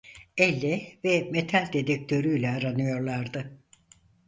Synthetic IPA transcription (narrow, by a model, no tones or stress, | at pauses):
ɛlʲːɛvɛmet̪ʰalʲd̪ed̪ɛk̚t̪ʰø̞ɾyjlʲɛaɾanɯjo̞ɾlˠaɾd̪ɯ